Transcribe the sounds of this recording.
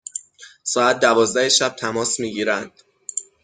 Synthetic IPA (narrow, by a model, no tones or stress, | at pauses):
sɒːæt̪̚ʰd̪ævɒːzd̪æheʃæb̚t̪ʰæmɒːsmiːɟiːɾænd̪̥